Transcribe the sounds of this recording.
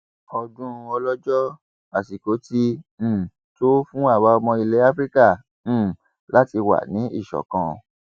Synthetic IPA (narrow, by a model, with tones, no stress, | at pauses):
ɔ˧dũ˦˧ɔ˧lɔ˦d͡ʒɔ˦ | a˨si˨ko˨˦tĩ˦˨ | to˦fũ˦a˦˨wa˦ɔ˧mɔ̃˧i˧le˨˦a˦fɾi˦kã˦˨˦ | la˦ti˧wa̰˨nĩ˨˦ḭ˦˨ʃɔ̰˨kã˨˧